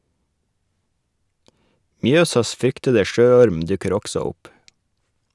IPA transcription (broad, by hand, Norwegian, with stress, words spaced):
ˈmjøːsɑs ˈfɾʏktədə ˈʃøːˌɔɾm ˈdʉkəɾ ˈɔksɔ ˈʊp